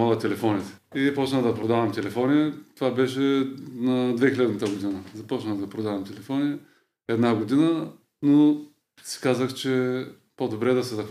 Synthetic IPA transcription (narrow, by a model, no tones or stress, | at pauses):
olˠɐt̪ɛlɛfɔnit̪ɛ̥ | izpɔt͡ʃnəd̪ɐpɾod̪avɐmt̪ɛlɛfɔnʲit̪ovabɛʃɛnɐd̪vɛxilɛd̪nt̪əɡod̪inəzɐpɔt͡ʃnəd̪ɐpɾod̪avɐmt̪ɛlɛfɔni | ɛd̪naɡod̪inə | no | si̥kazəxt͡ʃɛ | pod̪obɾɛd̪ɐsɛzɐx